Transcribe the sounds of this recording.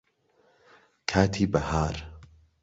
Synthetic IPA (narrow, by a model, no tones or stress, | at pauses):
kʰaːt̪ʰiːbɐhaːɾ